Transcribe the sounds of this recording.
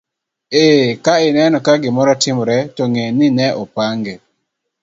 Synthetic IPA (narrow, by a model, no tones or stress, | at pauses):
ekaɪnɛnɔkaɡɪmɔɾɔtɪmɾɛtɔŋenɪnɛʔɔpaŋɡɛ